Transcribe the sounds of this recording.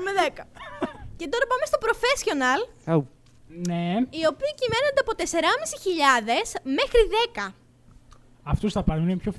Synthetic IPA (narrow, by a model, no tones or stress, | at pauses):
meðekɐce̞t̪o̞ɾɐpɐme̞st̪o̞pɾo̞fe̞sço̞nɐl | neio̞piːcime̞nond̪eɐpo̞t̪e̞se̞ɾɐmisiçiʎɐðe̞sme̞xɾiðe̞kɐ | ɐft̪osθɐpɐɾinepçof